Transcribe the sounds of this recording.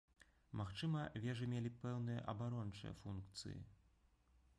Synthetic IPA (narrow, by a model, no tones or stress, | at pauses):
maxt͡ʂɨmɐvʲɛʐɨmʲelʲipɛwnɨjɐ̰ʔɐbaɾɔnt͡ʂɨ̰jɐ̰funkt̪sɨ̰jḭ